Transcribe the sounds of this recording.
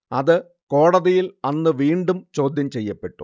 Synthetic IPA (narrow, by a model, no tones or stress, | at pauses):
ɐðɨ | ko̞ːɽɐðijilɐnːɨʋiːɳɖumt͡ɕo̞ːd̪ʱjɐmt͡ɕe̞jːɐpːe̞ʈːu̥